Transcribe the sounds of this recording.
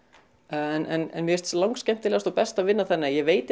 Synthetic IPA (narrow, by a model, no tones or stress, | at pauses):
nʔɛnɛ̰nmjɛɛst̪slawŋkskcɛjm̥t̪ɪlɛːɣast̪ɔpɛst̪avɪnːaθɛnːɪjɛveːjt̪ɪ